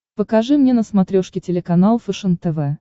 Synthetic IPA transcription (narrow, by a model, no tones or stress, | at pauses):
pəkɐʐɨmnʲenəsmɐt̪ɾʲoʂkʲɪtʲɪlʲɪkɐnalˠfəʂɨŋ̚t̪ɛvɛ